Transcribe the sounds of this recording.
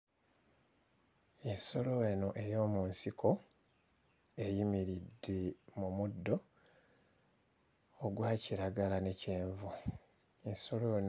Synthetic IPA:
e̞nso̞lo̞eno̞ʔe̞jo̞ːmunsikʰo̞ | e̞jimiɾidːemumudːo̞ | ɡwaːciɾaɡalane̞ce̞ːɱvu | enso̞loen

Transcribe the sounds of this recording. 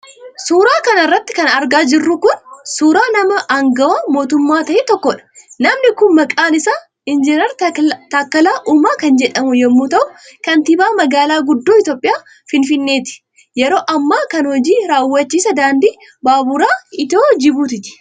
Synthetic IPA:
suːɾaːkɐnɐrːɐt̪ːɪ̥kɐnɐɾɡaːd͡ʒɪrːukʊnsuːɾaːnɐmɐʔɐŋɡɐwɐmo̞ːt̪ʊmːaːt̪ɐʔet̪ɔkːɔᶑɐ̥nɐmnɪkʊnmɐkʼaːnɪsaː | ɪnd͡ʒɪnɐɾt̪aːkːɐlaːʔʊmaːkɐnd͡ʒɛᶑɐmʊjɛmːuːt̪ɐʔʊkɐnt̪ɪbaːmɐɡaːlaːɡʊd̪ːoːɪt̪jo̞ːpʼɪjaː | fɪnfɪnːe̞ːt̪ɪ̥ | jɛɾo̞ːʔɐmːaːkɐnhɔd͡ʒiːɾaːwːɐt͡ʃːiːsɐd̪aːnd̪iː | baːbʊɾaːɪt̪oːd͡ʒɪbuːt̪ɪt̪ɪ̥

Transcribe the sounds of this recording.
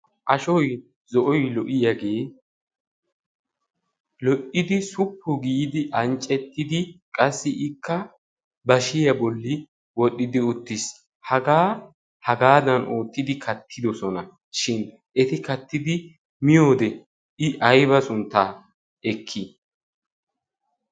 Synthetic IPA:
ʔɐʃɔj | zɔʔɔjlɔʔɪjɐɡe̞ː | lɔʔɪd̪ɪsʊpʰːʊɡiːd̪ɪʔɐnt͡ʃʼːɛt̪ːɪd̪ɪkʼɐsːɪʔɪkːɐ | bɐʃɪjɐbɔlːɪ | wɔɗːɪd̪ɪʊt̪ːɪs | hɐɡaː | hɐɡaːd̪ɐnʔoːt̪ːɪd̪ɪkʰɐt̪ʰːɪd̪ɔsɔnɐ | ʃɪn | ɛt̪ɪkɐt̪ːɪd̪ɪ | mɪjo̞ːd̪ɛ | ɪʔɐjbɐsʊnt̪ːaː | ɛkʰːi

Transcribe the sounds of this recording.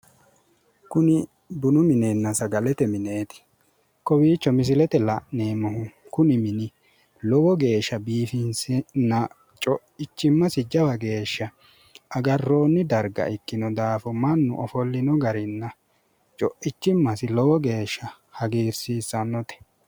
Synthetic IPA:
kʊnɪ | bʊnʊmɪneːnːɐsɐɡɐlɛt̪ɛmɪne̞ːt̪ɪ̥ | kɔwiːt͡ʃːɔmɪs̬ɪlɛt̪ɛlɐʔneːmɔhʊkʊnɪmɪnɪ | lɔwɔɡe̞ːʃːɐbiːfɪnsɪnːɐ | t͡ʃʼɔʔɪt͡ʃːɪmːɐsɪd͡ʒɐwɐɡe̞ːʃːɐ | ʔɐɡɐrːo̞ːnːɪd̪ɐɾɡɐ̰ʔɪkːɪnɔd̪aːfɔmɐnːʊ̰ʔɔfɔlːɪnɔɡɐɾɪnːɐ | t͡ʃʼɔʔɪt͡ʃːɪmːɐsɪlɔwɔɡe̞ːʃːɐ | hɐɡiːɾsiːsːɐnːɔt̪ɛ̥

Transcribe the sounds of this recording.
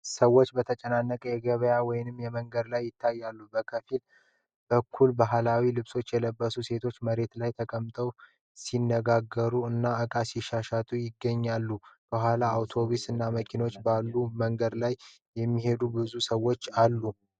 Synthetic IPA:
səwːo̞t͡ʃːbət̪ʰət͡ʃʼənanːəkʼəjɛɡəβəjawɔjɪnɨmːjɛməŋɡəd̪lajːɪt̪ʰːajːalːubəkʰəfil | bəkʰːulbaɦalawilɨβso̞t͡ʃːjɛləbːəsuse̞t̪ʰo̞t͡ʃːməɾe̞t̪lajt̪ʰəkʼəmt̪ʼəw | sinːəɡaɡːəɾuɨnːaɨkʼasɪʃaʃat̪ʼujɪɡːəɲːalːukəɦʷalaːwt̪ʰo̞βusɨnːaməkʰino̞t͡ʃːbalːuməŋɡəd̪laj | jɛmːiɦe̞d̪ubɨzusəwo̞t͡ʃːalːu

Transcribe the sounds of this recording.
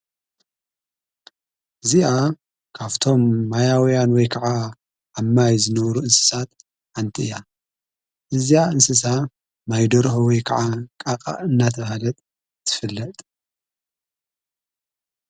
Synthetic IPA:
ʔɨziʔa | kʰaβt̪ʰo̞mːajawjanwɔjkʰɐʕa | amːajzɨnɐβɾuʔɨnsɨ̥sat̪̚ | ʕant̪ʰiɨja | ʔɨzijaɨnsɨs̬a | majd̪oɾxowɔjkʰɐʕakʼaqʼa̰ɨnːat̪ʰɐβhalɐt̪ʼ | zɨfɨlːɐt̪ʼ

